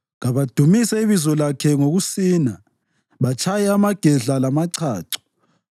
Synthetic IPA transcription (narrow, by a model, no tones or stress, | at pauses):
ɣaβad̥ʱumisɛiβizɔlakʰɛŋoɣusiːna | βat͡ʃʰʼajɛamaɡ̥ʱɛɮalamaǀʰaːǀɔ̥